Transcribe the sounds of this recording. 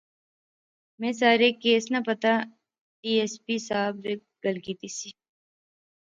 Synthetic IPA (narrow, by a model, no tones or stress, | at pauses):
mẽːs̬aːɾekeːsnɐpɐt̪a | ʈiːespisaːbɾe | ɡ̥ɐlkiːt̪isi